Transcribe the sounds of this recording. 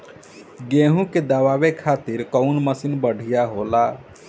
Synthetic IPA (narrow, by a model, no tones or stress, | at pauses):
ɡẽːɦũked̪aʋaːwekʰaːt̪iɾkəʊnməsinbəɽ̤ʱijaɦoːla